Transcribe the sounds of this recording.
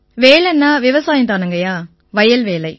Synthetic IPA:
ʋeːlɛnːaːʋɪʋɐsaːjɐnt̪aːnɯŋɡɐjaː | ʋɐjɐlʋeːlɐɪ

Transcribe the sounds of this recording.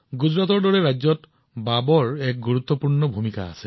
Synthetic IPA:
ɡud͡ʒɹatɔɹdɔɹeɹajd͡ʒzɔt | babɔɹɛk̚ɡuɹut̪ːɔpuɹnɔbʱumika̰ːse

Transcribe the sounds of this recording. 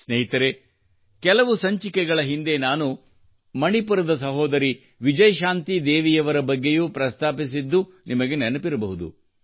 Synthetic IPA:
sneɦit̪ɐɾe | kɛlɐʋusɐɲt͡ʃikɛɡɐɭɐɦind̪e̞naːnu | mɐɳipuɾɐd̪ɐsɐɦɔːd̪ɐɾi | ʋid͡ʒɐjɐʃaːnt̪id̪eːʋijɐʋɐɾɐbɐɡːe̞juːpɾɐst̪ʰaːpis̬id̪ːu | nʔimɐɡe̞nɛnɐpiɾɐbɐɦud̪ṵ

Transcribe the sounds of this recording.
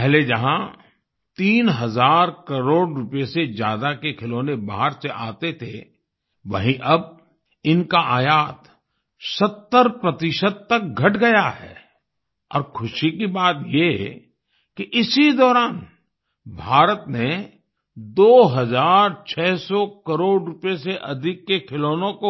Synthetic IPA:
pɛɦled͡ʒɐɦã | t̪iːnɦɐzaːɾkɐɾoːɽɾʊpesezjaːd̪akekʰɪloːneba̰ːɦəɾseʔaːt̪et̪ʰe | ʋɐɦĩʔɐb̚ | ɪnkaʔaːjaːt̪ | sɐt̪ːəɾpɾɐt̪ɪʃəd̪̚t̪ɐk̚ɡʱɐʈɡɐjaɦɛ̰ː | ɔ̰ːɾkʰʊʃikibaːt̪je | kiʔɪsid̪ɔːɾaːn | bʱaːɾət̪ne | d̪oːɦɐzaːɾt͡ʃʰɛːsɔkɐɾoːɖɾʊpeseʔɐd̪ʱɪkːekʰɪloːnõko

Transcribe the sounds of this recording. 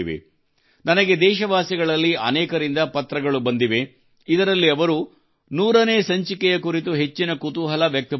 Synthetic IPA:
iʋḛ | nɐnɐɡe̞d̪ɛːʃɐʋaːsiɡɐɭɐlːiɐ̰nɛːkɐɾind̪ɐpɐt̪ɾɐɡɐɭubɐnd̪iʋe̞ | id̪ɐɾɐlːiɐʋɐɾu | nuːɾɐne̞ːsɐɲt͡ʃikɛjɐkuɾit̪uɦe̞t͡ʃːinɐkut̪uɦɐlɐʋjɐk̚t̪ɐ

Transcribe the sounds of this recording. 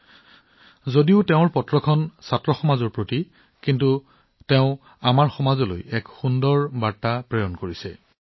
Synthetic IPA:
zodiʊtɛʊ̃ɹpɔtɹɔkʰɔnsatɹɔxɔmazɔɹpɹoti | kintu | teʊ̃ | amaɹxɔmazɔlo̰jɛkxundɔɹbaɹtapɹejɔnkoɹisɛ̰

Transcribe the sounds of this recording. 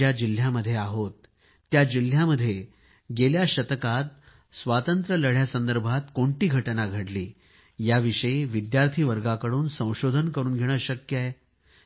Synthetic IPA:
ad͡ʑil̤jaməd̪ʱːjeaɦot̪ː | jad͡ʑil̤jaməd̪ʱːje | ɡeljaɕət̪əkat̪̚ | sʋat̪ənt̪ɾələɽ̤jasənd̪əɾbʱat̪koɳʈiːɡʱəʈənaɡʱəɽliː | jaʋiʂəiʋid̪jaɾt̪ʰiːʋəɾɡakəɽuːnsə̃w̃ɕod̪ʱənkəɾuːnɡʱeɽ̃əːɕəkjəe

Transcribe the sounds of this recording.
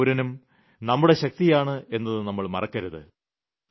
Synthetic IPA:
ɾɐnum | nɐmːuɽe̞ɕɐk̚t̪ijaːɳɨʔe̞nːɐðɨnɐmːɐɭmɐ̰rɐkːɐɾuðɨ̰

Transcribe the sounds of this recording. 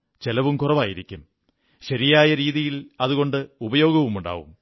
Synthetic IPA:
t͡ɕelɐʋumkurɐʋaːjiɾikʲːum | ɕɐɾijaːjɐɾiːðijilɐðuɣo̞ɳɖɨubɐjo̞ːɡɐʋumuɳɖa̰ːʋṵm

